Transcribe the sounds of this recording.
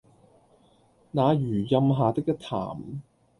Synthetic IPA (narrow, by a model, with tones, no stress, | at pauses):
naː˨˧jyː˨˩jɐ˧mɦaː˨˧t̪ɪ˥k̚jɐ˥t̪ʰa̰ː˨˩m